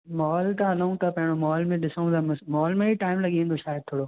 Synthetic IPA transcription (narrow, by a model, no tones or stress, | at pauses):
mɔɔːlt̪ãɐlãũt̪ʰapɐ̃ɦɪ̃ɽ̃omɔːlmẽɗɪsə̃ũt̪amsmɔːlmẽiʈaːɪmlɐɠiẽːn̆d̪oʃaːjəd̪̚t̪ʰoːɽo